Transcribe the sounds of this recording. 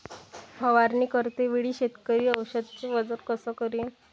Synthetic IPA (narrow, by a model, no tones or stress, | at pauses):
pəʋaɾniːkəɾt̪eʋiɽiːɕet̪kəɾiːəwɕəd̪̚t͡ɕeʋəd͡zəɾkəsɔkəɾin